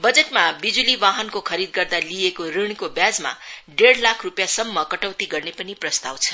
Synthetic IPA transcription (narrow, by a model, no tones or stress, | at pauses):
bʌd͡zeʈmabid͡zuliʋaɦʌnkokʰʌɾid̪̚ɡʌrd̪aliekoɾiɽ̃kobjad͡zma̰ɖeɽlakʰrupjasʌmːʌkʌʈʌwt̪iɡʌrnepʌniprʌst̪awt͡sʰʌ̥